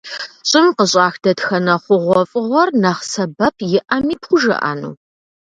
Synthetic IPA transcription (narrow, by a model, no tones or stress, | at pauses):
ɕʼɪmqəɕʼɑːxd̥ɐtxɐnɐχʷʊʁʷɔfʼɨʁʷɔrnɐχsɐbɐpʰjɪʔɐmiːpχʷʊʒɐ̰ʔa̰ːnṵː